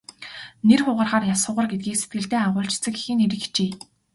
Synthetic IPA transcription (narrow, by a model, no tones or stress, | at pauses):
nerχʊːʁə̆rχaːrjasʊ̆ːʁə̆rɡet̪̚ɡiːkset̪̚ɡɘ̆ɬt̪eːaʁʊːɬt͡ɕʰt͡sɘ̆ki̥xɘ̆neɾɘ̆xi̥t͡ɕeː